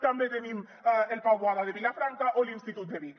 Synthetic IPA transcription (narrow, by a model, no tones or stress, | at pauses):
t̪ambet̪enim | elpawβoaðaðeβilafɾaŋkaʔolinst̪it̪ut̪̚d̪eβi